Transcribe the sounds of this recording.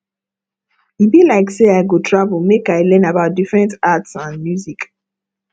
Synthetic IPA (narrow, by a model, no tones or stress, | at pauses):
ibilaɪkseaɪɡotʰɹavlmekaɪlɛ̃nabaʊt̚difɹɛ̃ntatsãnmjuzik